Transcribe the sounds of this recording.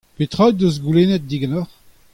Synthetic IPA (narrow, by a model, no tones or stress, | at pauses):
pet̪ʁad̪øzɡuleːnɛt̪̚d̪iɡanɔʁ